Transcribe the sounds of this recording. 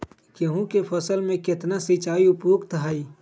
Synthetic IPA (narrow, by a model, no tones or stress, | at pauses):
keɦũkepʰɐsəlmẽkɪt̪nasit͡ʃaːiʊpjoːɡt̪ɦaːiː